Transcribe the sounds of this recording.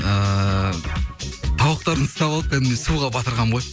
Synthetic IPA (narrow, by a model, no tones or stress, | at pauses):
ə | t̪ʰɑwəq̚t̪ɑɾənst̪ɑbɑlˠəp̚kʰænɪmd̪esuʁɑbɑt̪əɾʁɑɴʁoj